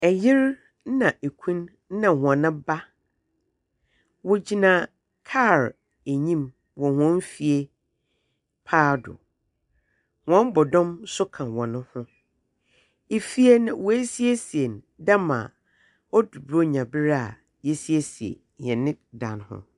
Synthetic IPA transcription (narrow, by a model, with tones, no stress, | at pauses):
ɛ˨jɪ˦ɾ̩˦ | nã˨ʔe˨kʰũ˦n˦ | nã˨hʊ̃˨ã˨nã˦ba˦ | wɔ˨d͡ʑi˨nã˨ | kʰa˦˨ɾ | e˨ɲĩ˦m | wɔ̃˨hɔ̃˦m˦fi˨e˦ | pʰaː˦dʊ̰˨ | hã˦m˦bɔ˨dɔ̃˦msʊ˦kʰã˨wɔ̃˨nʊ̃˦hʊ̃˦ | e˨fi˦e˦nã˨wɔ˨˦e˦si˦e˦si˨e˨n | da˦mã̰˨ | ɔ˦du˨bo˦ɲã˨bɪ˦ɾa˦˨ | jɛ˦si˦e˦si˨ḛ˨ | ɲɛ̃˨nɪ̃˦dã̰˨nhʊ̰̃˦˨